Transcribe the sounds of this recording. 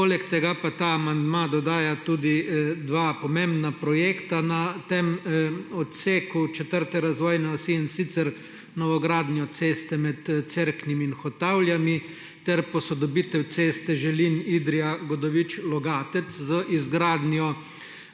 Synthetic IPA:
poːlɛkt̪ɛɡapat̪aːmand̪mad̪ɔd̪aːjat̪uːd̪id̪ʋaːpɔmẽmbnapɾɔjeːkt̪anat̪emɔt̪seːkut͡ʃɛt̪əɾt̪ɛɾazʋɔːjnɛɔsinsit̪sɛɾ | nɔʋɔɡɾaːd̪nɛɔt̪seːst̪ɛmɛt̪t̪seɾknimiːnxɔt̪awljami | t̪ɛɾpɔsɔd̪ɔbit̪ɛwt̪seːst̪ɛʒɛlinid̪ɾijaɡɔd̪ɔʋit͡ʃlɔɡaːt̪ɛszəʔizɡɾaːd̪njɔ

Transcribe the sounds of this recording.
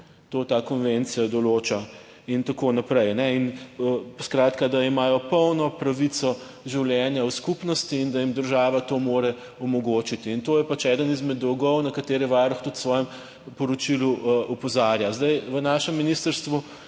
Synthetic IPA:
t̪oːt̪akɔnʋent̪sijad̪ɔloːt͡ʃa | int̪akoːnapɾɛjnɛinəskɾaːt̪kad̪aimaːjɔpɔwnɔpɾɐʋit̪sɔ | ʒiwljɛːnjawskupnɔst̪iːnd̪ajimd̪əɾʒaːʋat̪oːmoːɾɛ | ɔmɔɡoːt͡ʃit̪iːnt̪oːjɛpat͡ʃɛːd̪ənizmɛd̪ɔwɡɔwnɐkɐt̪eːɾɛʋaɾɔxt̪ut̪sʋɔːjɛm | pɔɾɔt͡ʃiluʔɔpɔzaːɾjazd̪ajʋənaːʃɛmːinist̪əɾst̪ʋu

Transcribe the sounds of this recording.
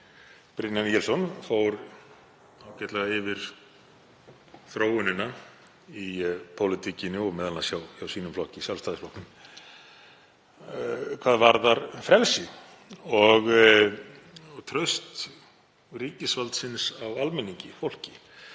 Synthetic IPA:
pɾɪnanijɛlsɔnfowɾ | aːwcɛht̪laɣaɪvɪɾ̥ | θɾoːwɪnɪna | ipʰowlɪt̪ʰicɪnɪɔɣmɛːðalnasjawawsiːnʏmflɔhcɪisjalst̪aːðɪsflɔhknʏm | kʰvaːðvaɾðaɾfɾɛlsɪ | ɔɣ | ɣt̪ʰɾœst̪ | riːcɪsvalt̪sɪnsawalmɛnːiɲcɪfowl̥cɪ̥

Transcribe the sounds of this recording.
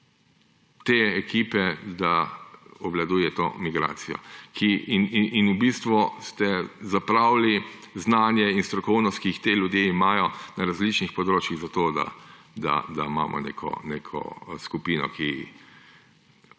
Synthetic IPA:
t̪eːɛkiːpɛd̪aɔʋlad̪uːjɛt̪o̰ːmiɡɾa̰ːt̪sijɔ̰kʰininubist̪ʋust̪ɛzapɾaːwliznaːnjɛinst̪ɾɔkɔwnɔst̪̚kiːxt̪eːljʊd̪jeimaːjɔnaɾazlit͡ʃnixpɔd̪ɾoːt͡ʃjiɣzat̪oːd̪a̰ | d̪a̰d̪aima̰ːmʔɔ̰nḛːkʰɔ̰neːkʰɔ̰skupiːnɔ̰kʰi

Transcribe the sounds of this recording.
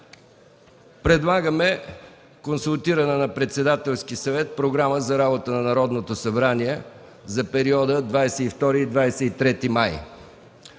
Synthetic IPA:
pɾɛd̪lˠaɡəmɛ | konsulˠt̪iɾənənɐpɾɛt̪sɛd̪at̪ɛlˠskisɐvɛt̪̚pɾoɡɾaməzɐɾabot̪ənɐnɐɾɔd̪not̪osɐbɾaniɛ | zɐpɛɾiɔd̪əd̪vajsɛift̪ɔɾiːd̪vajsɛit̪ɾɛt̪imaj

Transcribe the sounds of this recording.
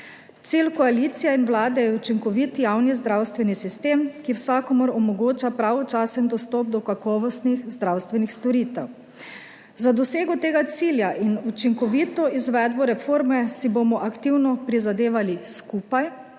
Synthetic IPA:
t̪silkɔalit̪sijɛinwlaːd̪ɛjɛut͡ʃiŋkɔʋit̪jawnizd̪ɾawst̪ʋɛnisist̪eːmkiwsakɔmɔɾɔmɔɡoːt͡ʃapɾaʋɔt͡ʃasɛnd̪ɔst̪ɔp̚d̪ɔkakɔːʋɔst̪nixzd̪ɾawst̪ʋɛnixst̪ɔɾiːt̪ɛw | zad̪ɔseːɡɔt̪eːɡat̪siːljaʔinut͡ʃiŋkɔʋit̪ɔizʋɛd̪bɔɾɛfoːɾmɛsibomɔʔakt̪iwnɔpɾizad̪eːʋaliskuːpaj

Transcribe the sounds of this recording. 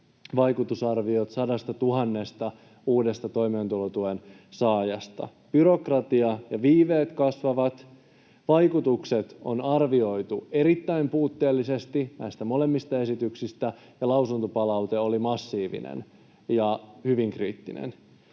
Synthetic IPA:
ʋɑjkut̪usɑrʋio̞t̪sɑdɑst̪ɑt̪uɦɑnːe̞st̪ɑ | uːde̞st̪ɑt̪o̞jmeːnt̪ulot̪uen | sɑːjɑst̪ɑ̰ | b̥yɾo̞krɑt̪iɑjɑʋiːʋeːt̪kɑsʋɑʋɑt̪ | ʋɑjkut̪ukse̞t̪o̞̰nɑrʋio̞jt̪ue̞ɾit̪ːæimpuːt̪ːe̞ːlːise̞st̪inæjst̪æmo̞le̞mːist̪ɑe̞sit̪yksist̪æ | jɑlɑusunt̪opɑlɑwt̪e̞o̞limɑsːiːʋḭnḛn | jɑhyʋiŋkriːt̪ːinḛn

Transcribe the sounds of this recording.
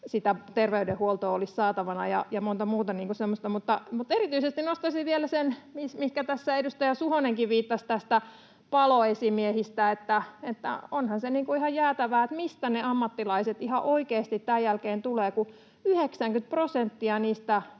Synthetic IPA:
sit̪æt̪erʋeydehuolt̪oolissɑːt̪ɑʋɑnɑ̰jɑ̰jɑmont̪ɑmuːt̪ɑniːŋkusemːost̪ɑmut̪ːɑmut̪erit̪yisest̪innost̪ɑsiʋielæsenmismihkæt̪æsːæedust̪ɑjɑsuhoneŋkiʋʋiːt̪ːɑst̪æst̪æ | pɑloesimiehist̪æet̪ːæet̪ːæ̰onhɑnseniːŋkuihɑjjæːt̪æʋæːet̪mist̪æneɑmːɑt̪ːilɑiset̪ihɑʔoikeːst̪it̪tæːjjælkeːnt̪uleːku | yheksæŋkyt̪̚prosent̪ːiɑniːst̪æ

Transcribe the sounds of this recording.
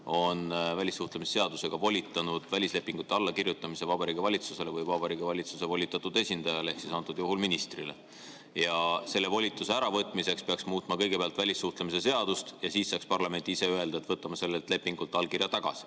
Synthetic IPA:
o̞nvælʲisːuht̪lemisese̞ɑd̪̥use̞ɡ̥ɑvo̞lʲit̪ːˑɑnud̪̥vælʲisle̞pːˑiŋɡ̥ut̪ːˑeɑlːɑkirjut̪ːˑɑmise̞vɑbɑɾiːɡivɑlʲit̪suse̞levɤjvɑb̥ɑɾiːɡ̥ivɑlʲit̪suse̞vo̞lʲit̪ːˑɑt̪ːˑud̪̥e̞sʲind̪̥ɑjɑleehksisɑnt̪ːˑud̪juɦulminist̪rilḛ | jɑse̞lːe̞vo̞lʲit̪ˑːuseæɾɑvɤt̪ːˑmise̞kspeɑksmuːt̪ːˑmɑkɤjɡ̥epeɑlt̪vælʲisːuht̪lemise̞s̬e̞ɑd̪̥ust̪jɑsiːsːɑːkspɑrlɑme̞nʲt̪ːiise̞øe̞ld̪ɑet̪vɤt̪ːˑɑmɑse̞lːelt̪le̞pːˑiŋɡ̥ult̪ːˑɑlːkirjɑt̪ɑɡ̥ɑ̰si̥

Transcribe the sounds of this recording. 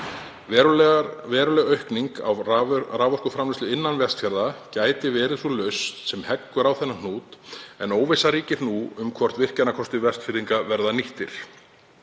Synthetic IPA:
vɛːɾʏlɛɣœɥhkniŋka̰waraːvɔr̥kʏfɾamlɪst̪ʏɪnːanvɛst̪fjaɾðacaːjt̪ɪvɛːɾɪθɔlœɥst̪sɛmhɛkːʏɾawθɛnːan̥uːt̪ɛ̰noːwvɪsaɾiːcɪɾnuʏmkʰvɔr̥t̪vɪr̥cɛnakʰɔst̪ʏvɛst̪fɪɾiŋkavɛɾðaniht̪ɪ̰ɾ̥

